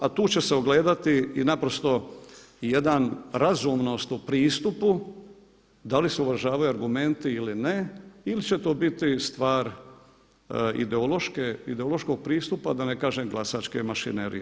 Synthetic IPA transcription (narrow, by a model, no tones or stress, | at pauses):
at̪uːt͡ɕe̞seoɡle̞ːd̪at̪iinapɾost̪o̞ | jed̪anɾazumno̞st̪upɾiːst̪upu | d̪aliseuʋɾaʒaːʋajuaɾɡume̞nt̪iilineilit͡ɕe̞t̪oːbit̪ist̪ʋaːɾ | ḭd̪eolˠo̞ʃkeḭd̪eolˠo̞ʃko̞ɡ̚pɾiːst̪upad̪anekaːʒemɡlˠasaːt͡ʃkemaʃḭneɾḭje